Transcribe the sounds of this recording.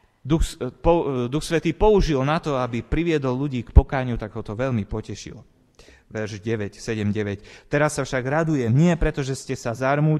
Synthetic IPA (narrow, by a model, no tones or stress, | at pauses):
d̪uxpɔd̪uxsʋɛt̪iːpɔuʒilnat̪ɔabipɾiʋɪɛd̪ɔlːuɟiːkpɔkaːɲut̪aɡɦɔt̪ɔʋɛʎmipɔcɛʃḭl | ʋɛɾʒɟɛʋɛcsɛɟɛmɟɛʋɛct̪ɛɾasːafʃaɡɾad̪ujɛmɲɪɛpɾɛt̪ɔʒɛscɛsazaɾmuː